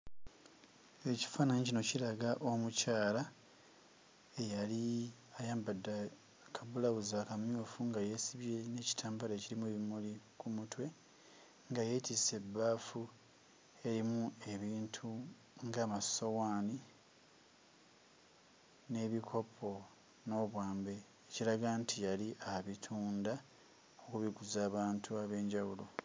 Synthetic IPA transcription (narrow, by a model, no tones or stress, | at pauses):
e̞ci̥faːnaɲecino̞cilaɡaʔo̞mucaːla | ejali | ajaːmbadːa | kʰaβulaβuzaːkamjuːfuŋɡaje̞ːsiβje̞ne̞ːci̥tʰaːmbaleːciɾimue̞βimulikumutwe̞ | ŋɡaje̞ːtise̞bːaːfu | e̞ɾimue̞βiːntʰu | ŋɡaːmaso̞waːni | ne̞ːβikʰo̞pʰo̞ | no̞ːβwaːmbe̞ː | ciɾaɡantʰijaliʔaβitʰuːnda | o̞kuβiɡuzaːβaːntʰuaβe̞ːɲɟawulo̞